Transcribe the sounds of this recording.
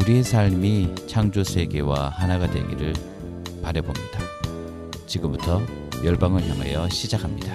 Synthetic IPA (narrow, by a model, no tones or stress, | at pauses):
uɾie̞sʰaɭmit͡ɕʰaŋd͡ʑosʰe̞ɡe̞wa̰hanaɡadwe̞̰ɡiɾɯɭ | paɾjʌbomɲida | t͡ɕiɡɯmbutʰʌ | jʌɭbaŋɯɭçjaŋɦa̰jʌɕʰid͡ʑakʰamɲida